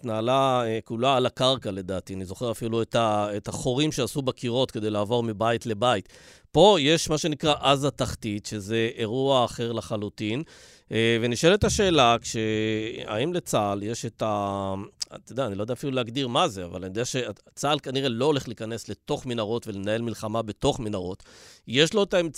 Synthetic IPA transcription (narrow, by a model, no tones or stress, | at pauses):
t̪naːlaekulaːlakaʁkale̞d̪aːt̪ianizo̞χe̞ʁafiluet̪aetaχo̞ʁimʃeasubakiʁo̞t̪ke̞d̪e̞jlaːvo̞ʁmibaitle̞bait̪ | po̞je̞ʃmaʃe̞nikʁaʔazat̪aχtitʃe̞ze̞eʁuaːχe̞ʁlaχalut̪in | veniʃe̞letaʃe̞ːlakʃea̰imlet͡salje̞ʃeta | t̪od̪eanilod̪eafiluleaɡd̪iʁmazea̰valanid̪eaʃe̞at͡salkaniʁe̞lo̞ole̞χliikane̞sle̞t̪o̞χmenaʁo̞tve̞le̞nae̞lmilχamabe̞to̞χmenaʁo̞t̪je̞ʃlo̞etaem